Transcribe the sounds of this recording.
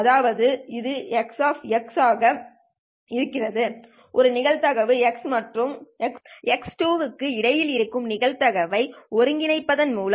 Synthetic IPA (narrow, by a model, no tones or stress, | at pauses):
ɐðaːʋɐðɯɪðɯɛksaːfɛksaːɣɐ | ɪɾɯkːɪrɐðɯ | ʔɔɾɯnɪɣɐɻt̪ɐɣɐʋɯɛksmɐʈrɯmɛksɛksʈuːʋɯkːɯɪɽɐjɪlɪɾɯkːɯmnɪɣɐɭt̪ɐɣɐʋɐɪɔɾɯŋɡɪnɐɪpːɐðɐnmuːl